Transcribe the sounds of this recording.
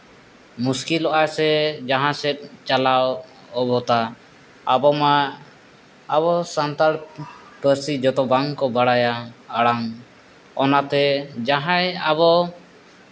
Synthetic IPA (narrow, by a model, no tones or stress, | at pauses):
muskilɔʔasɛd͡ʒaɦãsɛt̪̚ˀt͡ʃalaw | ɔbɔt̪a | abɔma | bɔsant̪aɽ | pəɾsid͡ʒɔt̪ɔbaŋkɔbaɽajaːɽaŋ | ɔnat̪ɛd͡ʒaɦãjaβɔ